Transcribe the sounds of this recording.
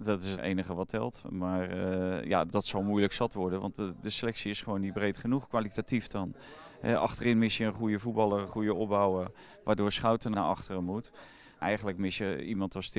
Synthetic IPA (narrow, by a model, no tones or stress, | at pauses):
dɔtɪsətḛjnəχəʋɔtʰɛlˠtmaːrja̰dɔtsɔlˠmujləksɑtʋɔɹdənʋɑ̰ntdəselɛksiɪsχəʋoːnit̚brejtχənuχkʋalitatifdɔn | ɦɛ̰ʔɑ̰xtərɪnmɪsjəənχujəvut̚bɑlˠərəχujəɔp̚bawə | ʋaːdʊːɹsχawtənnaʔɑ̰χtərəmut | ʔɛ̰jən̩ləkmɪsjəimɑntɔstɪ